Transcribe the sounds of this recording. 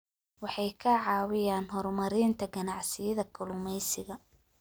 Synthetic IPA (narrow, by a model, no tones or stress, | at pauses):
wɑħɑjkʰɐʕɑːwɪjaːnɦɔrmɐɾiːnt̪ʰɐɡɐnɑʕsɪjɐðɐkʰʊlʊmɛjsɪɣɐ